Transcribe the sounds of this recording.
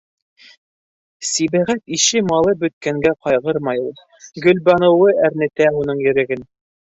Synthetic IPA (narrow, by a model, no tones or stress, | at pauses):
siβæʁæt̪iʃɘmɑlˠɤbɵ̆t̪̚kæŋɡæqɑjʁɤɾmɑjulˠ | ɡɵ̆lbɑnɤ̆wɤæɾnɘ̆t̪æunɤɴjɵ̆ɾɘ̆ɡɘn